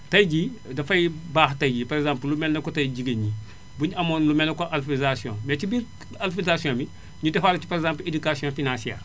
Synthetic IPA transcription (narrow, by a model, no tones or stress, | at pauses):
tɐjɟiːdɐfɐjbaːxtɐjɟipaɾekzãːmpllumɛnːɐkotɐjɟiɡɐɲi | buɲɐmoːnlumɛnːɐkoʔalfizasiõ̰mɛcibiːɾ | alfilizasiõːbi | ɲudɛfaːlɐci̥paɾeɡzãmpledukasijõːfinãnsiɛ̰ːr